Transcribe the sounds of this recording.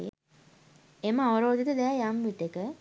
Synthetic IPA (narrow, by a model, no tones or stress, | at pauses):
eməaʋɐɾoːd̪it̪əd̪ɛjamʋiʈ̪ːekə